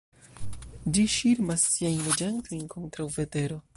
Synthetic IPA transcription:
d͡ʒiʃiɾmasːiajnled͡ʒantʰo̞jnkʰo̞ntɾawve̞te̞ɾo̞

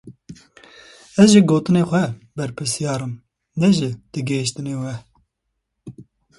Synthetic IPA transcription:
ɛzʒɪɡoːt̪ɨneːxʷɛbɛɾpʰɨsijɑːɾɨm | nɛʒɪd̪̥ɨɡeɪʃt̪ɨneːwɛ

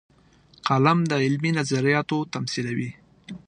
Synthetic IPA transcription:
qalamd̪əɪlminazaɾijɑt̪ot̪amsilawi

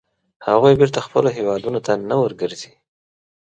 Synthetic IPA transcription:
haɣujbiɾt̪axpəloɦewɑd̪unot̪anawəɾɡəɾzi

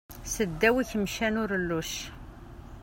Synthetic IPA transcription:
səd̪ːæwiçəmʃænʊɾlːuʃ

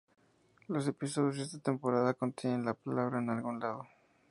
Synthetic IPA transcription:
lo̞s̬e̞pis̬oðjozðe̞st̪at̪e̞mpo̞ɾaðako̞nt̪jenenlapalaβɾaenalɣunlaðo̞

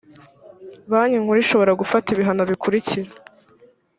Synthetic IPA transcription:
βaːɲiŋ̥huɾiʃo̞βo̞ɾaɡufatiβiɦano̞βikʰuɾiciɾa

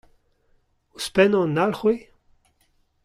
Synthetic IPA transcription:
uspɛnɔ̃nalχwe

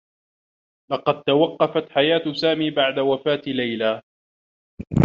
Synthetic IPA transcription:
lɑqɑd̪̚t̪awɑqːɑfat̪ħajaːt̪saːmiːbaʕd̪awafaːt̪lajla

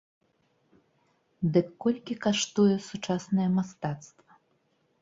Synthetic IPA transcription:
d̪ɨkːɔlʲkʲikaʂt̪ujɛsut͡ʂasnɐjɛmast̪at̪st̪vɐ

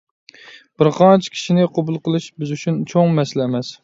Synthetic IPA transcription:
b̥ɪɾqʰɑnt͡ʃʰi̥kʲʰi̥ʃinɪqʰobulˠqəlˠɨʃbyzyt͡ʃʰynt͡ʃʰoŋmɛslɛːmɛs

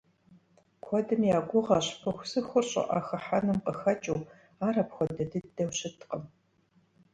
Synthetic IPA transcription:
kʷʰɔdɨmjaːɡʷʊʁɐɕpʰɨxʷsɨxʷʊrɕʼɪ̰ʔa̰ːxɐħanɨmqəxɐt͡ʃʼɐw | aːrɐpxʷɔdɐdɨdɐwɕɪtʰqəm

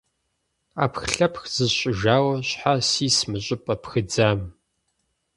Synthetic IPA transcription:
a̰ːpxɬɐpxz̥ɨzɕʼɪʒaːwɐɕħasiːsmɨɕʼɪpʼɐpʰxɨd͡zaːm

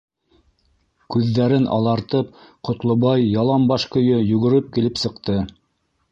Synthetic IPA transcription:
kʉðːæɾɘnʔɑ̰lˠɑɾt̪ɤp̚qŏt̪lˠŏβɑjːɑlˠɑmbɑʃkɵ̆jɵjʉɣɵ̆ɾɘp̚kilɘpsɤ̆qt̪ɤ

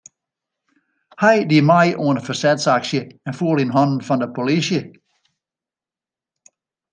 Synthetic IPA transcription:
hajdimaɪʔoːnəfəsɛdsakʃjəɛnfuːlˠinɦɔnn̩fɔndəpʰolisjə

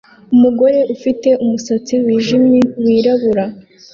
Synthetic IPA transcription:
umuɡo̞ɾe̞ʔufite̞ʔumusat͡siwiːʒimjewiːɾaβuɾa

